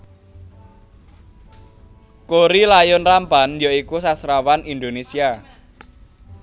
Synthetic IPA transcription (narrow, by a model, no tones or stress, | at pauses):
koɾilajʊnrampanjaikusasɾawanind̪onesia